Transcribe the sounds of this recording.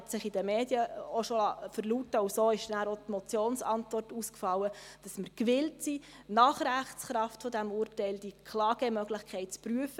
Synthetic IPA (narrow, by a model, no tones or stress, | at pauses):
ɑtsɪχidəmeːd̥jəoʃolɑfəɾlutəʊsoːɪʃdnæːɾotmɔt͡sjoːnsɑntvɔrtuskfɑlːəd̥ɑsməɾkʋɪltsi | nɑːχɾæχtsχɾɑftfodæmuːrtɛɪld̥iəkʰlɑːɡ̥ɛmœɡlɪχkʰɛɪtt͡spɾyəfə